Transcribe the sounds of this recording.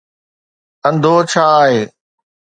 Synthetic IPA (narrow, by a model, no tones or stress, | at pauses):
ə̃nd̪ʱoːt͡ʃʰaːɦeː